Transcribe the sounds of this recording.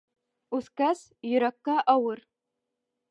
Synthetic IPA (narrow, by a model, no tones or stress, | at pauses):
ʉθkæs | jɵ̆ɾækːɑʔɑwɤɾ